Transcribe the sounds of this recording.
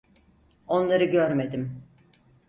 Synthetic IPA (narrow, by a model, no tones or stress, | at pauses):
o̞nlˠaɾɯɟøɾme̞d̪im